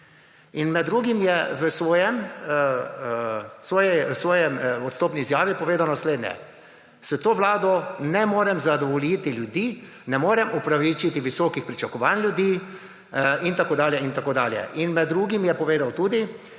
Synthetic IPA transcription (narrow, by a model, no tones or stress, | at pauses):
inmɛd̪ːɾuːɡimjɛʋəsʋɔːjɛm | sʋɔːjɛsʋɔːjɛmɔt̪st̪oːpniːzjaːʋipɔʋeːd̪awnasleːd̪nɲjɛ̰ | sɛt̪oːʋlaːd̪ɔnɛmoːɾɛmzad̪ɔʋɔliːt̪iljud̪iː | nɛmoːɾɛmupɾaʋit͡ʃit̪iʋisɔkixpɾit͡ʃakɔʋaːnlʲjud̪iː | int̪akoːd̪aːljɛint̪akoːd̪aːljɛ̰ʔinmɛd̪ːɾuːɡimjɛpɔʋeːd̪awt̪uːd̪i